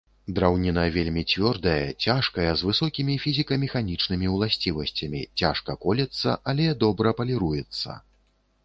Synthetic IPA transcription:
d̪ɾawnʲinɐvʲelʲmʲit͡sʲvʲɔrd̪ɐjɐt͡sʲaʂkɐjɛzvɨsɔkʲimʲifʲizʲikɐmʲɛxanʲit͡ʂnɨmʲiwlˠasʲt͡sʲivɐsʲt͡sʲɐmʲit͡sʲaʂkɐkɔlʲɐt̪sːɐ̰ʔalʲɛd̪ɔbɾɐpɐlʲiɾujɛt̪sːɐ̰

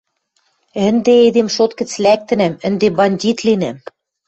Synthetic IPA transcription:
ɘ̆nd̪eed̪emʃot̪kɘ̆t͡slæk̚t̪ɘ̆næmə̆nd̪ebɑnʲdʲit̪linæm

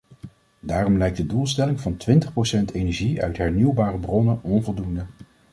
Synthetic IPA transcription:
daːrɔmlɛjk̚dədulˠstɛlɪŋvɑntʋɪntəχprowsɛntejnɛɹʒiœ̰ɥtɦɛɹniwbaːrəbrɔnəɔnvɔlˠdundə

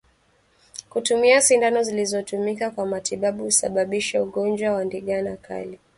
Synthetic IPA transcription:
kutumiasindanɔzilizɔtumikakwamatiɓaɓuusa̰ɓaɓiʃauɠɔnd͡ʒwawandiɠanakʰa̰li

